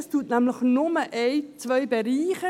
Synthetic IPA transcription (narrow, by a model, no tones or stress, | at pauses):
stuːətnæmlɪχnʊməʔeɪt͡svœʏbeɾiːχə